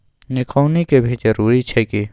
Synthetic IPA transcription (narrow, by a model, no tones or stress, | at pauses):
nɪkoːnikebʱid͡ʒɐɾuːɾit͡ʃʰɛki